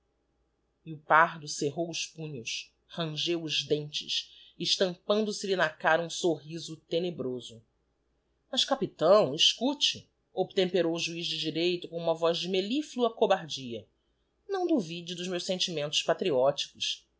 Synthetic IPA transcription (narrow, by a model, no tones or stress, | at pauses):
iʊpaɦd̪ʊseɦowʊspũɲʊs | hɐ̃ʒewʊʒd̪ẽnt͡ʃɪ̰ʃɪʃt̪ɐ̃mpɐ̃nd̪ʊsɪlinakaɾɐũsoɦizʊt̪enebɾozʊ | mɐʃkapit̪ɐ̃w̃iʃkut͡ʃɪ | ob̚t̪ẽmpeɾowʒuizd͡ʒɪd͡ʒiɾejt̪ʊkõũmɐvɔzd͡ʒɪmelifluɐkobaɾd͡ʒiɐ | nɐ̃w̃d̪uvid͡ʒʊd̪ʊzmewsẽnt͡ʃimẽnt̪ʊʃpat̪ɾiɔt͡ʃi̥kʊs